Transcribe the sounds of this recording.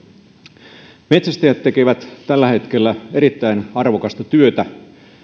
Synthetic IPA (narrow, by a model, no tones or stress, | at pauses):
me̞t̪sæst̪æjæt̪ːe̞keʋæt̪t̪ælːæhe̞t̪k̟e̞lːæe̞ɾit̪ːæinɑrʋokɑst̪ɑt̪yøt̪æ